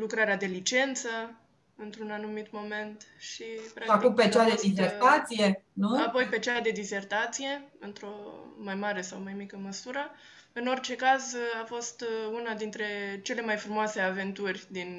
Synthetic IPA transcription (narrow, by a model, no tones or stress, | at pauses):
lukɾaɾead̪e̞lit͡ʃe̞nt̪sə | ɨnt̪ɾunanumit̪mo̞me̞nt̪ʃipɾaakupet͡ʃad̪ed̪izerat̪sijenuapo̞jpe̞t͡ʃad̪e̞d̪ize̞rt̪at̪sije̞ɨnt̪ɾo̞majmaɾe̞sawmajmikəməsuɾə | ɨno̞rt͡ʃe̞kazafo̞st̪unad̪int̪ɾe̞t͡ʃe̞le̞majfɾumoase̞ave̞nt̪urʲd̪in